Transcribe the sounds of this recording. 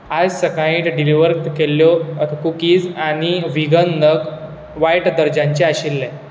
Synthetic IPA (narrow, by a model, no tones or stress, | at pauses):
ad͡zsəkaĩːʈ̪ɖiliʋəɾt̪kelːjɔkukiːd͡zañiʋiɡənd̪ʱək | ʋajʈd̪əɾd͡ʑãɲt͡ɕɛaɕilːɛ